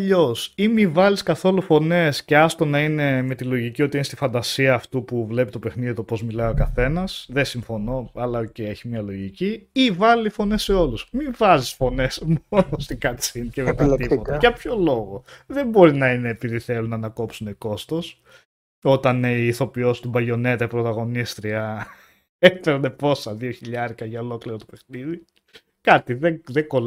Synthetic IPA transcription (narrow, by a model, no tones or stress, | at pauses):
ʎo̞simivɐliskɐθo̞lufo̞ne̞sce̞ɐst̪o̞nɐine̞me̞t̪ilo̞ʝicio̞t̪iinest̪ifɐnd̪ɐsiɐːft̪upuvle̞pit̪o̞pexniðit̪o̞po̞zmilɐio̞kɐθe̞nɐsðesiɱfo̞no̞ɐlɐoceeçimiɐlo̞ʝiciivɐlifo̞ne̞sːe̞o̞lusmivɐzisfo̞ne̞smo̞nost̪iɡɐt͡sincemet̪ɐipot̪ɐʝɐpço̞lo̞ɣo̞ðe̞mbo̞ɾinɐine̞ːpiðiθe̞lunɐnɐko̞psuneko̞st̪o̞s | o̞t̪ɐniiːθo̞pio̞si̥t̪ubɐʎo̞ne̞t̪ɐipɾo̞t̪ɐɣo̞nist̪ɾiɐ | efeɾnepo̞sɐðioçiʎɐɾikɐʝɐolo̞kliɾot̪ope̞xniði | kɐt̪iðeðeɡo̞l